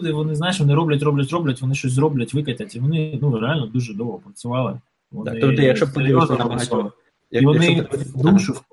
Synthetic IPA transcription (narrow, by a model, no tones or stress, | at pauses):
d̪ɪʋɔnɪznajɪʃʋɔnɪɾɔblʲɐtʲɾɔblʲɐtʲɾɔblʲɐtʲʋɔnɪʃt͡ʃɔs̬ʲzɾɔblʲɐtʲʋɪkɐtʲɐtʲiʋɔnɪnuɾealʲnɔd̪uʒɛd̪ɔwɦɔpɾɐt͡sʲʊʋɑlˠɪ | ʋɔnɪt̪ɪjɐkʃɔpd̪ʲiʋɔspɐɑlˠɪ | iʋɔnɪd̪uʒ